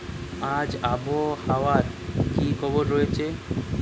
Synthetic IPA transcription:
ad͡ʑabʱohawaɾkikʰɔboɾːɔjet͡ɕʰe

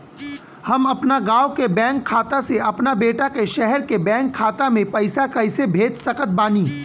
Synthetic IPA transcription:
hɐmɐpnaɡaːwkebɛ̃ːŋkʰːaːt̪aseɐpnabeːʈakeʃɛɦɛɾkebɛ̃ːŋkʰːaːt̪amẽpɐɪsakɐɪsebʱeːd̪sɐkət̪̚baːniː

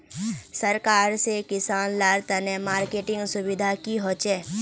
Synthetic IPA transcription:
səɾkaːɾsekɪsaːnlaːɾt̪ənemaːɾkeːʈɪ̃ŋɡsʊbɪd̪ʱakiɦoːt͡ʃɛ

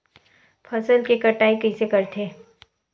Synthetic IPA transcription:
pʰɐsəlkekɐʈaːikɐisekɐɾt̪ʰeː

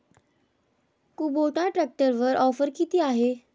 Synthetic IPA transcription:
kuboʈaʈɾɛk̚ʈəɾʋəɾʔɔfəɾkit̪iːaɦe

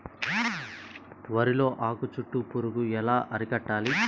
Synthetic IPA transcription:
ʋɐɾilo̞ːʔaːkut͡ʃuʈːupuɾuɡuɛlaːʔɐɾikɐʈːaːli

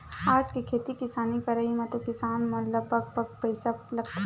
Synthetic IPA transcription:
aːd͡ʒkekʰeːt̪ikɪsaːnikɐɾəɦimẽt̪okɪsaːnmɐ̃ləbək̚pəɡ̚pɐɪsalɐɡt̪ʰe

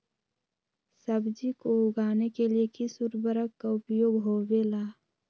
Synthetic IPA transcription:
səbd͡ʒikoʊɡaːnekelijekisuɾbəɾəkːaʊpjoːɡɦoːʋelaː

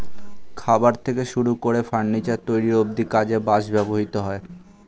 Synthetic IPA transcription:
kʰabaɾt̪ʰekeʃuɾukoɾefaɳːit͡ɕat̪ojɾiɾob̚d̪ikad͡ʑebaʃbɛboɦit̪oɦɔe

